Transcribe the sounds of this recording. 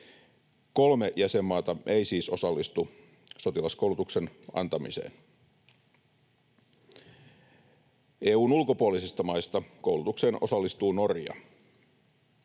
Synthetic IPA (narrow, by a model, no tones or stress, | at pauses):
ko̞lmejæse̞mːɑːt̪ɑʔe̞jsiːso̞sɑlːist̪u | so̞t̪ilɑskoulut̪ukse̞nɑ̰nt̪ɑmḭsḛːn | eːuːnulko̞puolisist̪ɑmɑijst̪ɑko̞wlut̪ukse̞ːnʔo̞̰sɑlːist̪uːno̞rjɑ̰